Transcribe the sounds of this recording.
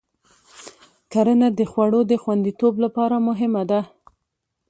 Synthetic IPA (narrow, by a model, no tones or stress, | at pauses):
kaɾənad̪əxwaɽod̪əxwand̪it̪oblapɑɾamʊɦɪmad̪a